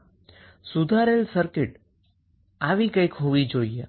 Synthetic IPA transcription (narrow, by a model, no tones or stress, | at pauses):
sud̪ʱaɾelsəɾkeʈ | aʋikəjkɦoʋid͡ʒoie